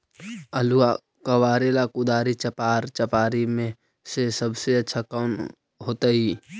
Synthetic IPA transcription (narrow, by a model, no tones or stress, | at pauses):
əlua | kəwaːɾeːlakʊd̪aːɾit͡ʃəpaːɾt͡ʃəpaːɾimẽ | sesəbseɐtːʃʰakaːn | ɦoːt̪aɦiː